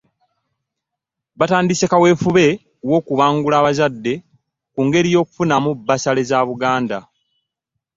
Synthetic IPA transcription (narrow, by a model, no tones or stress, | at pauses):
βataːndisekawe̞ːfuβe̞ | wo̞ːkuβaːŋɡulaːβazadːe̞ | kuŋɡe̞ɾijo̞ːku̥funamubːasale̞zaβuɡaːnda